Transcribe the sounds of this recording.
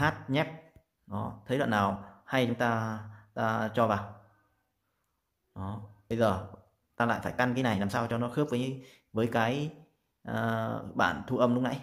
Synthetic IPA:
haː˦˥t̚ɲɛ˦˥p̚ | ɗɔ˨˦t̪ʰə˨˦jlwa̰˧˨naː˨˩wha˧jt͡ɕʊ˨˦ŋ͡mt̪aː˧t̪aː˧t͡ɕɔ˧vaː˨˩w | ɗɔ˨˦ɓə˧jzəː˨˩ | t̪aː˧la̰ː˧˨jfaː˧˩jka˧nkaː˨˦jna˨˩jlaː˨˩msaː˧wt͡ɕɔ˧nɔ˨˦xɨ˦˥p̚vəː˨˦jɲ˨˧˦ | vəː˨˦jkaː˨˦j | ʔəː˨˩ɓa̰ː˧˨nt̪ʰu˧ʔə˧mɗʊ˨˦˥ŋ͡mnʔa˧˥j

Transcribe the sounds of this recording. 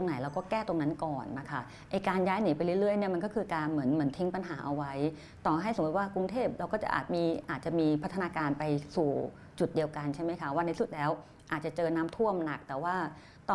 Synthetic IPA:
o˧ŋna˩˦jlɛː˧wkɔː˥˩kɛː˥˩t̪o˧ŋna˦˥nkɔː˨˩nːa˦˥kʰa˥˩ | ʔa˧jkaː˧njaː˦˥jni˨˩˦pa˧jɾɯ˥˩˨ɾɯ˥˩əjni˥˩ma˧nkɔː˥˩kʰɯː˧kaː˧nmɯ˩˦ənmɯ˩˦ənt̪ʰi˦˥ŋpa˧nɦaː˩˦ʔa˧wa˦˥j | t̪ɔː˨˩ɦa˥˩jsa˩˦ŋ˦u˨˩t̪̚waː˥˩kɾu˧ŋt̪ʰeː˥˩p̚ɾa˧wkɔː˥˩t͡ɕa̰˨˩ʔa̰ː˨˩t̪̚miː˧ʔaː˨˩t̪̚t͡ɕa˨˩miː˧pʰa˦˥t̪ʰːnaː˧kaː˧npa˧jsuː˨˩ | t͡ɕu˨˩t̪̚di˧əwka˧nt͡ɕʰa˥˩jma˦˥jkʰa˦˥˩waː˥˩na˧jsu˨˩t̪̚lɛː˦˥w | ʔaː˨˩t̪̚t͡ɕa˨˩t͡ɕɤː˧naː˦˥mt̪ʰu˥˩əmna˨˩k̚t̪ɛː˨˩waː˥˩ | t̪ɔ˨

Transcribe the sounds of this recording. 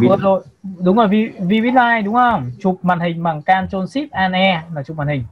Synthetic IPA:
əː˨˩zo˧˨jɗʊ˨˦ŋ͡mzo˨˩vi˧vi˧wi˦˥t̚laː˧jɗʊ˨˦ŋ͡mhə˧mt͡ɕʊ˨˩k͡p̚ma̰ː˨˩nhï˨˩ŋ̟maː˨˩ŋkaː˧nt͡ɕo˧nsi˦˥p̚ʔaː˧nʔɛ˧laː˨˩t͡ɕʊ˨˩k͡p̚maː˨˩nhï˨˩ŋ̟

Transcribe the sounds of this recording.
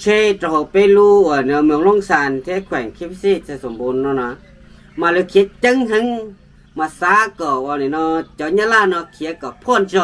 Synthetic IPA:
t͡ʃʰe˧t̪ɾɔ˧˨pe˧˨luː˧˨ɔ˧˩˨nɯ˧ə˨mɯ˧əŋlo˧˥˨ŋsaː˨˧˨nt̪ʰe˧˥˦kʰwɛː˨˩ŋkʰi˧˦pʰsi˧˨t̪̚sa˧˨so˨mbuː˧˨nːɔ˧˨nɔ˧ | maː˧lɯ˧kʰi˧˦t͡ɕa˧˨ŋɦɨ˧˦ŋ | ma˧˨saː˧˦kɔ˨˩waː˧˨ni˨nɔ˧˩t͡ɕa˧˨˦ɲa˧˨laː˧˨nɔ˧kʰi˨˦ə˦kɔ˨˩pʰɔ˧˥˨nsɔ˧

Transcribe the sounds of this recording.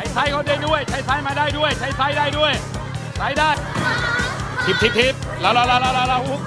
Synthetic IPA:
a˦˥jsa˧˥˩jkʰa˧˩diː˧˩du˥˩əjt͡ɕʰa˧˦˥jsa˧˥˩jmaː˧daː˥˩jdu˥˩əjt͡ɕʰa˧˦˥jsa˧˥jdaː˥˩jdu˥˩əj | sa˦˥˩jdaː˥˩j | t̪ʰi˦p̚t̪ʰi˦˧p̚t̪ʰi˦˥p̚laː˧˩wlaː˧˩wla˧˩la˧˩wla˧˩wla˧˩hu˧˦˥k

